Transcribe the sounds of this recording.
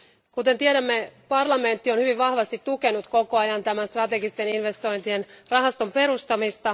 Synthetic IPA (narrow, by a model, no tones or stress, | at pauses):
kut̪e̞nt̪ieɾæmːe̞pɑrlɑme̞nt̪ːio̞nhyʋiʋʋɑhʋɑst̪it̪ːuke̞nut̪ko̞ko̞ɑjɑnt̪æmænst̪rɑt̪eɡist̪e̞ninʋe̞st̪o̞jnt̪ienrɑɦɑst̪o̞mpe̞ɾust̪ɑmist̪ɑ